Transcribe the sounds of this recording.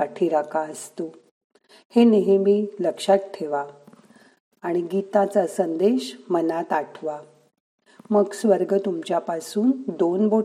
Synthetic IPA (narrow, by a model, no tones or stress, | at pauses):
aʈʰiːɾakaəst̪o | heneɦemiːləkʂaʈʈʰːeʋa | ɽ̃iɡit̪ãt͡sasənd̪eɕmənat̪aʈʰʋa | məɡsʋəɾɡət̪umt͡ɕjapasuːnd̪onbo